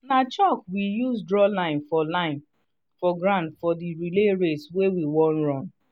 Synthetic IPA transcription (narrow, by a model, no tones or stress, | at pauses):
nat͡ʃɔkwijuzdɹɔlãɪ̃nfɔlaɪ̃n | fɔɡɹãntfɔdiɹileɹetswewiwɔ̃nɹɔ̃n